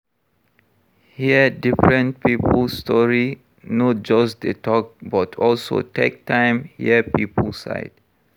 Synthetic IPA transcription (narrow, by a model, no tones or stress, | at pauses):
hiədifɹə̃nt̚pipəlstɔɹi | nɔt̚d͡ʒasdetʰɔk̚batʰɔlso̰tɛk̚tãj̃mhiəpipə̰lsa̰ɪd